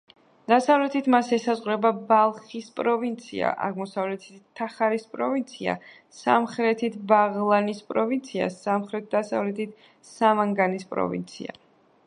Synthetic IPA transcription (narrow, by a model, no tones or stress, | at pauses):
d̪̥asavlɛt̪ʰit̪ʰmasɛsazʁɾɛbabalˠχispʼɾɔvint̪sʰḭa̰ʔa̰ʁmɔsavlɛt̪ʰit̪ʰːaχaɾispʼɾɔvint̪sʰia̰ | sa̰mχɾɛt̪ʰit̪ʰbaʁlˠanispʼɾɔvint̪sʰia̰samχɾɛt̪̚d̪asa̰vlɛt̪ʰit̪ʰ | samaŋɡanispʼɾɔ̰vḭnt̪sʰḭa̰